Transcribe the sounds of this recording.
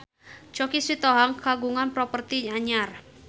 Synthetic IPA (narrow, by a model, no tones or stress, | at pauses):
t͡ʃɔkisit̪ɔɦaŋkaɡuŋanpɾɔpərt̪iɲaɲar